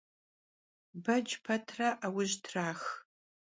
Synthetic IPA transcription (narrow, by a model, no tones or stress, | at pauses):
bɐd͡ʒpʰɐtʰraʔawʊʒtʰraːx